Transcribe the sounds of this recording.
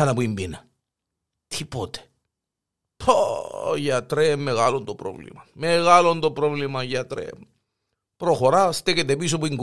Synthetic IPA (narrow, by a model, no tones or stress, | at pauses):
ɐnɐpuimbinɐ | t̪ʰipot̪e̥ | pʰojat̪ɾemːeɣalond̪opɾo̰vlḭmɐmeɣalond̪opɾovlimajɐt̪ɾḛ | pɾoxoɾast̪eket̪episopuiŋɡ